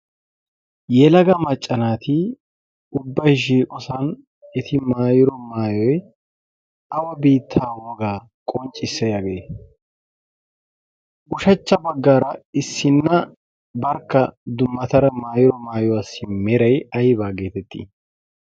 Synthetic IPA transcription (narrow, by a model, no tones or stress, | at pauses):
jɛlɐɡɐmɐt͡ʃʼːɐnaːt̪ɪ | ʊbːɐjʃ̬iːkʼɔsɐn | ɛt̪ɪmaːjɪɾɔmaːjɔj | ɐwɐbiːt̪ʰːaːwɔɡaː | kʼɔnt͡ʃʼːɪsːɛjɐɡe | ʔʊʃɐt͡ʃːɐbɐɡːaːɾɐɪsːɪnːɐ | bɐɾkːɐd̪ʊmːɐt̪ɐɾɐmaːjɪɾɔmaːjɔwɐsːɪmɛɾɐjɐjbaːɡeːt̪ɛt̪ːḭ